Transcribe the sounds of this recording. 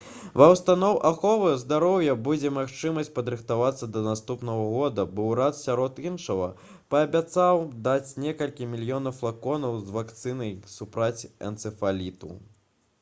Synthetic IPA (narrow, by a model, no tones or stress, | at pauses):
vɐwst̪anɔwʔaxɔvɐjzd̪aɾɔwjɐbud͡zʲɛmaxt͡ʂɨmɐsʲt͡sʲpɐd̪ɾɨxt̪avat̪sːɐd̪ɐnast̪upnɐɣɐɣɔd̪ɐbɔwɾat̪sʲaɾɔt̪inʂɐvɐ̰ | pɐːbʲat̪sawd̪at͡sʲnʲɛkɐlʲkʲimʲilʲjɔnɐwflˠakɔnɐwzvakt̪sɨnɐjsupɾat͡sʲɐ̰nt̪sɨfalʲit̪ṵ